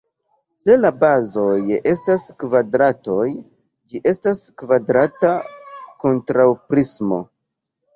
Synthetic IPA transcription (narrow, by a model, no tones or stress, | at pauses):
se̞labazo̞je̞staskvadɾato̞j | d͡ʒiʔe̞staskvadɾatako̞ntɾawpɾismo̞̰